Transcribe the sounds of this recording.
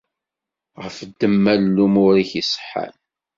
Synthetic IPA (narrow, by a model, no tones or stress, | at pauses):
ʁəfd̪ːəmːællːumʊɾiçisˤə̥ħːa̰n